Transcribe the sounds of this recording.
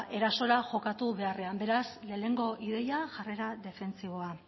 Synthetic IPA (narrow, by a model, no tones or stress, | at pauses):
ʔe̞ɾaso̞ɾaʝo̞kat̪uβe̞are̞ambe̞ɾasle̞ːne̞ŋɡo̞ʔið̞e̞jaʝare̞ɾaðe̞fe̞nt͡siβo̞a